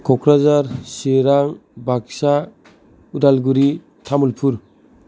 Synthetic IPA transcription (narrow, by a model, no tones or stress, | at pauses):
kʰɔkʰɾazaɾseɾaŋbʱaksa | udalɡuɾi | tʰamulpʰuɾ